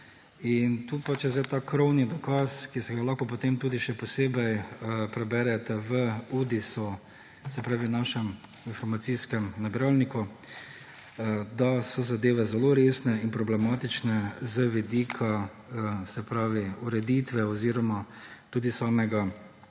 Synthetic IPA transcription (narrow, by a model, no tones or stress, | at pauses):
int̪uːpat͡ʃjɛzd̪ɛt̪akɾɔwnid̪ɔkaːskisɛɡalaxkɔp̬ɔt̪eːmt̪uːd̪iʃɛpɔseːbɛjpɾɛbɛɾɛt̪ɛʋəuːd̪isu | sɛpɾaːʋinaʃɛm | infɔɾmat̪siskɛmnabiɾalniku | d̪asɔzad̪eːʋɛzɛloɾeːsnɛinpɾɔblɛmaːt̪it͡ʃnɛzəʋid̪iːkʰa | sɛpɾaːʋiuɾɛd̪it̪ʋɛɔziːɾɔmat̪uːd̪isaːmɛɡa